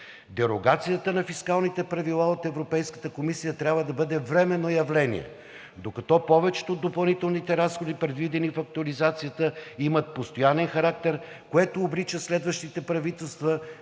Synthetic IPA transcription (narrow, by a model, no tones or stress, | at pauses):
d̪ɛɾoɡat̪sijət̪ənɐfiskalˠnit̪ɛpɾɐvilˠaot̪ɛvɾopɛjskə̥t̪əkomisijət̪ɾʲabvəd̪ɐbɤd̪ɛvɾɛmɛnːojɐvlɛnḭɛ̰ | d̪okɐt̪ɔpɔvɛt͡ʃɛ̥t̪od̪ːopɐlˠnit̪ɛlˠnit̪ɛɾasxod̪ipɾɛd̪vid̪ɛnifɐk̚t̪uɐlizat̪sijət̪əimət̪̚post̪ojanɛnxɐɾak̚t̪ɛɾ | koɛt̪oːbɾit͡ʃəslɛd̪vəʃt̪it̪ɛpɾɐvit̪ɛlˠst̪və